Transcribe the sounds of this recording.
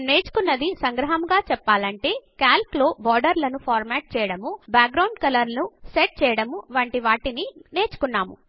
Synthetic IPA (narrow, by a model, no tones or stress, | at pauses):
ne̞ːt͡ʃu̥kunːɐd̪isɐŋɡɾɐɦɐmɡaːt͡ʃɛpːaːlɐɳʈe̞ːkaːlploːbɔːɾɖɐɾlɐnupʰaːɾmaːʈ̚t͡ʃɛːjɐɽɐmubaːk̚ɡɾɐwɳɖkɐlɐɾnuseʈ̚t͡ʃɛːjɐɽɐmuʋɐɳʈiʋaːʈinine̞ːt͡ʃu̥kunːaːmṵ